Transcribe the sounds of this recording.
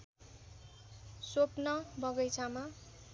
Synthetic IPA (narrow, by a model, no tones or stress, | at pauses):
sopnʌbʱʌɡʌjt͡sʰama